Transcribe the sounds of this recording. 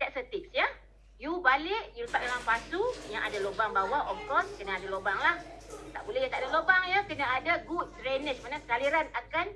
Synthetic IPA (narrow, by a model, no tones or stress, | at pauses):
d̥ɛt̚sət̪ik̚sja | jubalɪʔjuləpat̪̚omaŋpasujaŋadalobaŋbawaʔɔmkɾɔskənaadalobaŋlaht̪a̰ʔbulɛjaŋt̪aʔadalobaŋjəkənaadaɡut̚sɾɛnəʃmanaksaliɾanakan